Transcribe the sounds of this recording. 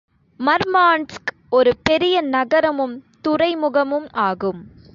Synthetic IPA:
mɐɾmaːɳsk | ɔɾɯpɛɾɪjɐnɐɣɐɾɐmɯmt̪ʊɾɐɪmʊɣɐmɯmaːɣɯm

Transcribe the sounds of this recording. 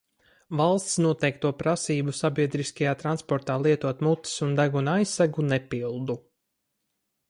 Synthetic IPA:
valˠst̪snuɔt̪ɛjk̚t̪uɔpɾasiːbusabiɛd̪ɾiskajaːt̪ɾanspɔɾt̪aːlˠiɛt̪uɔt̪mut̪ːi̥sund̪aɡunajsːæɡunɛpilˠd̪u

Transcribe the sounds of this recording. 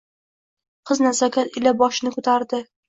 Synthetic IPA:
qʰɨznasakʲʰat̪ɪlabɒʃɪnɪkʰɵt̪ʰaɾd̪ɪ

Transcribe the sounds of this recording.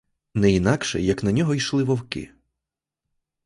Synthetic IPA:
nɛinɑkʃɛ̰jɐknɐnʲɔɦɔjʃlˠɪʋɔwkɪ̰

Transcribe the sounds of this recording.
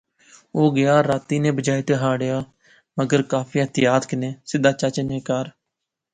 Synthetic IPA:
oːɡɪjaːɾaːt̪iːnẽːbəd͡ʒaːjt̪eːɦaːɽjaː | məɡəɾkaːpʰiːət̪ɪjaːt̪kɪnẽːsɪd̪aːt͡ʃaːt͡ʃəneːkaːɾ

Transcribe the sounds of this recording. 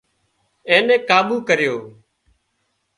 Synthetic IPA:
ẽːnɛ̃ːkaːɓuːkəɾjoː

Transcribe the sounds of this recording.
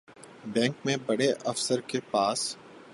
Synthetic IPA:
bɛ̃ːŋkmẽbɐɽeʔɐfsəɾkepaːs

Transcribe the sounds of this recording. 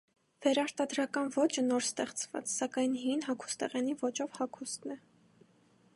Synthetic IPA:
v̥ɛɾɑɾt̪ɑd̪ɾɑkɑnvɔt͡ʃʰənɔɾst̪ɛχt͡svɑ̰t͡ssɑkɑjnɦinɦɑkʰu̥st̪ɛʁɛnivɔt͡ʃɔvhɑkʰust̪nɛ

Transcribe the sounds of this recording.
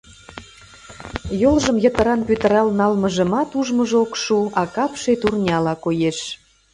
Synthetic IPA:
jolʒəmjət̪ə̆ɾɑnpyt̪ə̆ɾɑlnɑlməʒə̆mɑt̪uʒməʒokʃuɑkɑpʃet̪urnʲɑlɑkojeʃ

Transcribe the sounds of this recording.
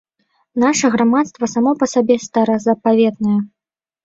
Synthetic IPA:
naʂɐɣɾamat̪st̪vɐsamɔpɐsabʲɛst̪ɐɾɐzɐpavʲɛt̪nɐjɐ

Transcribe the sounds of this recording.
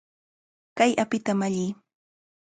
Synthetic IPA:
kajʔapɪt̪amaʎɪː

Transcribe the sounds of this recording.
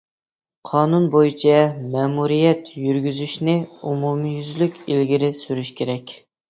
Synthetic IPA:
qʰɑːnunbojit͡ʃʰɛmɛːmuɾijɛt̪jyɾɡʲyzyʃnɪumumijyzlykʲilɡʲiɾɪsyɾyʃkʲʰeɾɛkʲ

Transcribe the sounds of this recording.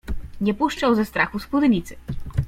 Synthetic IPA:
ɲʲɛpuʂt͡ʂawzɛst̪ɾaxuspud̪ɛɲʲit̪sɨ̥

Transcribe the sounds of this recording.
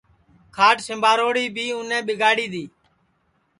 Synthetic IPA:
kʰaːʈsɪmbʱaːɾoːɽiːbʱiːʊnẽːɓɪɡaːɽiːd̪iː

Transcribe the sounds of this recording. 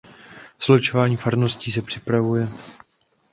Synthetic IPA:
z̥lot͡ʃovaːɲiːfaɾno̞sciːs̬ɛpr̝̥ɪpɾavujɛ

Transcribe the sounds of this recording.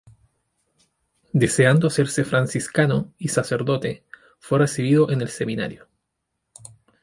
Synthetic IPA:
d̪e̞seand̪oase̞ɾsefɾansiskanoisase̞ɾðo̞t̪e | fweresiβ̞iðo̞ʔene̞lse̞mina̰ɾjo

